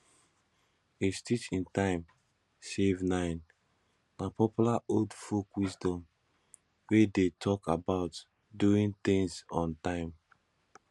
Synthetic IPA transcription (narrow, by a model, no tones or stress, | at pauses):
estit͡ʃĩntãɪ̃m | sevnãɪn | napɔpjulaodfokwisdɔ̃m | wedetʰɔkabaʊt | duĩnt̪ĩŋsɔ̃ntãɪ̃m